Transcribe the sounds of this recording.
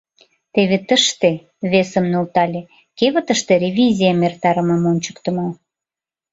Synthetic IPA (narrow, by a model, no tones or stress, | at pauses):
t̪eβet̪əʃt̪e | βesəmnult̪ɑlʲe | keβət̪əʃt̪eɾʲevʲizʲijəmert̪ɑɾəməmonʲt͡ɕə̥kt̪ə̆mɑ